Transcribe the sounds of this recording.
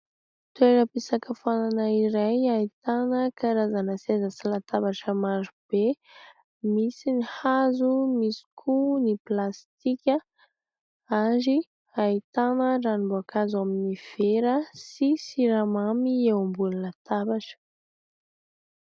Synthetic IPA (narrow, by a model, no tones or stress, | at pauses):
t̪ueɾəpisakəfananəiɾajait̪anəkaɾazanəsezasilat̪abaʈ͡ʂəmaɾub̥e | misinihazumisi̥kʰuniplast̪ikʲə | aɾi | ait̪anəranimboakʰazuaminiv̥eɾəsisiɾamamiewambulinat̪abaʈ͡ʂə̥